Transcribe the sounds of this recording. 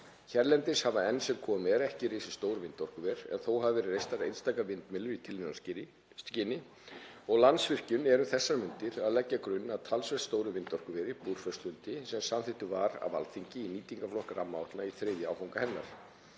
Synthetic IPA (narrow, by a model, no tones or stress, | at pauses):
çɛɾlɛnt̪ɪshavaɛnsɛmkʰɔːmɛɾɛhcɪɾeːsɪ̥st̪oːwɾʏvɪnt̪ɔr̥kʏvɛɾ̥ɛ̰nθowɦavvɪɾrejst̪aɾḛjt̪st̪aːkavɪnt̪mɪlʏɾit̪ʰɪlminas | cɪːnɪ | ɔɣlant̪svɪr̥cʏnɛɾʏθɛsːaɾmʏnt̪ɪɾaðlɛcːakɾʏnːaðt̪ʰalsvɛ̥t̪st̪oːwɾʏvɪnt̪ɔr̥kʏvɛːɾɪpuːɾ̥fœst̪ʏnt̪ɪsɛmsamθɪht̪ʏvaɾa̰va̰lθiɲcɪiniːt̪iŋkaflɔhkaɾamːawht̪naiθɾɪðjʏaːwfawŋkahɛnːa̰ɾ̥